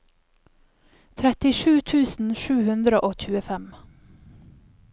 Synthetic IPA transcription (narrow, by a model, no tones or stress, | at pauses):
t̪ʰɾɛt̪ɪʃʉːt̪ʰʉːsn̩ʃʉːhʉnd̪ɾəʔoːc͡çʉːəfɛm